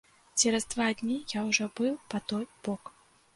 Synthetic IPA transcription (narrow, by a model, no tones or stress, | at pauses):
t͡sʲɛɾɐzd̪vad̪ʲnʲijawʐɔbɨwpɐt̪ɔjb̥ɔk